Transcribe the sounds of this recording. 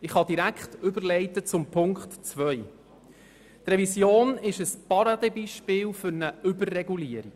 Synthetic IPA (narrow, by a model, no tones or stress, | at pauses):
ɪχhɑd̪iɾækχt̪ʏbəɾlɛɪt̪ət͡sʊmpʰʊŋktt͡svœʏ | t̪rɛvisjoːnɪʃəspɑɾɑd̪ebiʃpɪːlfʏɾnəʏbərːɛɡuliəɾi